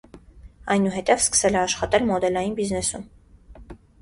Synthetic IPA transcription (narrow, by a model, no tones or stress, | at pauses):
ɑjnuɦɛt̪ɛvskə̥sɛlɛɑʃχɑt̪ɛlmɔd̪ɛlɑjinbiznɛsum